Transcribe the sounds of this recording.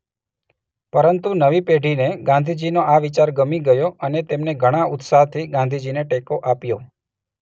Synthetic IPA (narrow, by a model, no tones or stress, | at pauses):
pəɾənt̪unəʋipeɖʱineɡãnd̪ʱid͡ʒinoaʋit͡ʃaɾɡəmiɡəjoənet̪emneɡʱəɽ̃aʊt̪saɦt̪ʰiɡãnd̪ʱid͡ʒineʈekoʔapjo